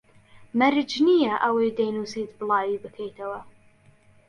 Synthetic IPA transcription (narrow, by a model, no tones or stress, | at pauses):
mɐɾɪd͡ʒnijɐʔɐwejd̪ejnuːsit̪bɨlˠɑːwibɨkʰejt̪ʰɐwɐ